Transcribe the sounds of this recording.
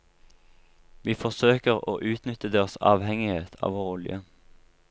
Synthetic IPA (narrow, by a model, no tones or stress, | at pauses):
ʋiːfɔsøːkəʁo̰ːʔʉːt̪nʏt̪əd̪eːʁəsɑ̰ːʋhɛŋɪheːt̪ʰɑ̰ːʋoːʁʊljə